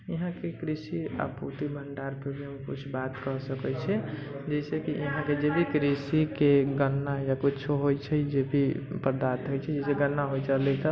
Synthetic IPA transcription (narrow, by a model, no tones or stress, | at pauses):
jəɦãkekɾisia̰pṵt̪ibʱəɳɖaɾpɾəbʱimekṵt͡ʃʰbat̪kəɦsəkɛt͡ʃʰɛ | d͡ʒɛsekijəɦãked͡ʒebʱikɾisikeɡənːajakut͡ʃʰoɦojt͡ʃʰɛd͡ʒebʱipəɾd̪at̪ɦojt͡ʃʰɛd͡ʒɛseɡənːaɦojt͡ʃəlɛt̪ɔ